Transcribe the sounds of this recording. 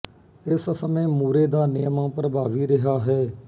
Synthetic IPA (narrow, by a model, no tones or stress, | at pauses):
ɪssəmẽːmuːɾeːd̪aːnɪjəmãːpəɾəbaːʋiːɾɪɦaːɦɛː